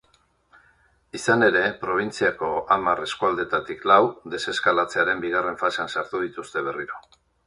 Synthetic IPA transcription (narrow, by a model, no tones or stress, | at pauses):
isane̞ɾe̞pɾo̞β̞int͡siako̞amare̞skuald̪e̞t̪at̪iklawd̪e̞se̞skalat͡se̞aɾe̞mbiɣ̞are̞ɱfase̞ansaɾt̪uð̞it̪ust̪e̞β̞e̞riɾo̞